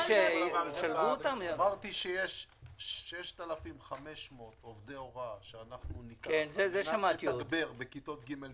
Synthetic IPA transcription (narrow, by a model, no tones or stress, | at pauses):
ʃeiʃalvuot̪ammaʁt̪iʃejeʃː | eʃt̪alafimχameʃmot̪ovd̪eoʁaʃeanaχnunikkenzezeʃamat̪iaoɡdbeʁbekit̪ot̪̚ɡimel